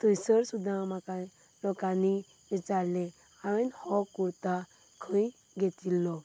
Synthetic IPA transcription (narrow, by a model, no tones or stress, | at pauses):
t̪əjsəɾsud̪ʱãmaka | lɔkani | ʋit͡saɾlɛ̃ | ãə̃nhɔkuɾt̪a | kʰə̃j | ɡet̪ilːɔ